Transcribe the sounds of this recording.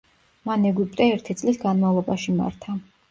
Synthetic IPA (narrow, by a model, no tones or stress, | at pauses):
manɛɡipʼt̪ʼɛɛɾt̪ʰit̪sʼlisɡanmavlˠɔbaʃima̰ɾt̪ʰa